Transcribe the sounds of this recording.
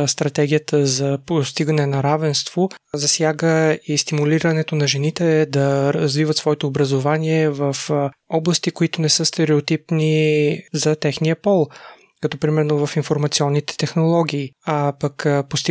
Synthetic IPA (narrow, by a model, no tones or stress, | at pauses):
st̪ɾɐt̪ɛɡʲijət̪ʰəzɐpost̪iɡənɛnɐɾavɛnst̪v̥ozɐsjaɡəist̪imuliɾənɛt̪onɐʒɛnit̪ɛd̪ɐɾɐzvivət̪svɔɛt̪oːbɾɐzovaniɛvəfɔblˠɐst̪ikoit̪onɛsəst̪ɛɾɛot̪ipnizɐt̪ɛxnijəpɔlˠ | kɐt̪ɔpɾimɛɾnovɐfinfoɾmɐt̪siɔnːit̪ɛ̥t̪ɛxnolˠɔɡʲiːapəkpost̪